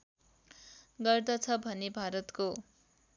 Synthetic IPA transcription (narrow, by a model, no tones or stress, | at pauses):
ɡʌrd̪ʌt͡sʰʌbʱʌnebʱaɾʌt̪ko